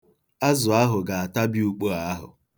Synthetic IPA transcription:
a˦zʊ˨a˦ɦʊ˨ɡa˨a˨ta˦bi˦u˨k͡po˦a˦a˦ɦʊ̰˨

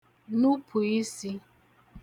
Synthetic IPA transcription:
nu˦pʰu˨i˦si˦

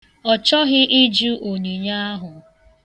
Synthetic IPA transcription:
ɔ˨t͡ʃɔ˦ɣɪ˦ʔi˦d͡ʒu˦ʔo˨ni˨ɲa˦a˦ɦʊ˨

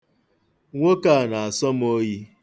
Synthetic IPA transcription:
ŋʷo˦ka˦˨na˨a˨sɔ˦m̩˦o˦ji˦

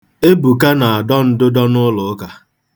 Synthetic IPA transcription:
e˦bu˨ka˦na˨a˨dɔ˦n̩˦dʊ˦dɔ˦nʊ˦lʊ˨˦ka˨

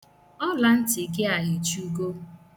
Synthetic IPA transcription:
ɔ˦la˨n̩˦tɪ˨ke˦a˨ɦi˨t͡ʃu˦ɡo˦

